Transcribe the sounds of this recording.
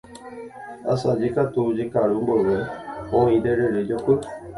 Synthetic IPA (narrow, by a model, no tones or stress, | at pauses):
a̰sad͡ʒikat̪ud͡ʒekaɾumboʋeõĩd̪eɾeɾed͡ʒokɨ